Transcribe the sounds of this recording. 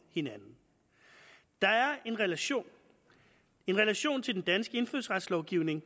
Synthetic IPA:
he̝nænn̩ | d̥ɑ̈æɐe̝nʁlo̰ | e̝nʁelæɕo̝̰ːnt͡sʰe̝d̥end̥ænsɡ̥əe̝nføðˠsʁad̥slɒʊɡ̥iʊne̝ŋ

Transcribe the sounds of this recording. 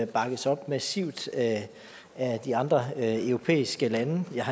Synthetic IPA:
b̥ɑ̈ɡ̥ð̩ˠsɒ̽b̥mæsiʊ̰d̥ | æd̥iɑ̈nd̥ʁɐœʊʁo̝pʰḛːisɡ̥əlænəjɑ̈hɑ

